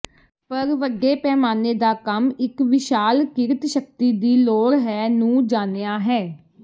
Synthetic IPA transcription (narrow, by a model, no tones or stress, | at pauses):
pəɾʋəɡeːpɛːmaːneːd̪aːkəmɪkʋɪʃaːlkɪɾt̪ʃəkt̪iːd̪iːloːɾɦɛːnũːd͡ʒaːneːaːɦɛː